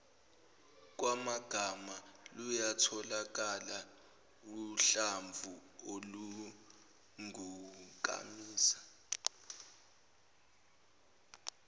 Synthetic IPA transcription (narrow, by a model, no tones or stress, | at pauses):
k̬wamaɡ̥ʱamalujatʰɔlak̬ʼala | uɬaɱvʱuolu | ŋuk̬ʼa̰miːsḁ